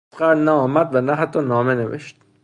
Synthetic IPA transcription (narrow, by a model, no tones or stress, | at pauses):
qæɾlnæɒːmæd̪vænæɦæt̪ʰːɒːnɒːmenevḛʃt̪̚